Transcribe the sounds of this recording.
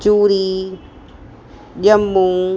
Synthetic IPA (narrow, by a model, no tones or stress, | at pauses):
t͡ʃuːɾi | ʄɐmːuː